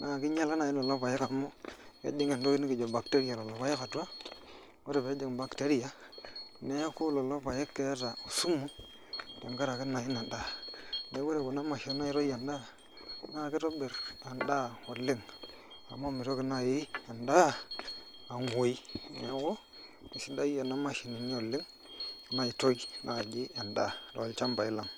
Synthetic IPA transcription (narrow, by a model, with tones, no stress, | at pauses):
na˦˨ki˦ɲa˦lka˦na˨ji˦no˨lo˦pa˨je˦ka˨mo˦kḛ˦di˦ŋe˨ndo˦ki˦ni˦ki˨d͡ʒo˨ba˨kte˦ɾi˦ja˨lo˨lo˨pa˦je˦ka˨tu˦a˦ | wo˦ɾe˨be˨˦di˨ŋ˨ba˨kte˦ɾi˦ja˨ | ne˦jo˦ku˦lo˨lo˦pa˨je˦kːe˦ta˨o˨su˦mːu˦ | da˨ŋka˦ɾa˨ki˦na˨ji˦na˨da˦ne˨˦wo˦ɾe˨ko˨na˦ma˨ʃo˦na˦i˦ɾo˦ja˨nda˦ | na˦˨ke˦to˦be˨ɾna˨nda˦˨wo˨lːi˦ŋ | a̰˨mːo˦mi˨ɾo˦ki˨na˦˨ji˦ja˨nda˦ | a˨nwo˨i˦ne˨˦ko˦ | mi˨si˦da˦i˦a˨na˦ma˨ʃi˨ni˨ni˦o˨lːi˦ŋ˨ | na˦ji˨to˦i˦nʔa˨d͡ʒi˦ja˨nda̰˦˨do̰˨˦lt͡ʃa˦mba˨i˦la˨ŋ